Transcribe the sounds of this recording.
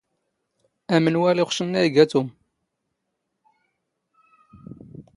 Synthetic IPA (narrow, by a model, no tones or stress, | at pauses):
æmənwæliχʷʃənːæjɡæt̪um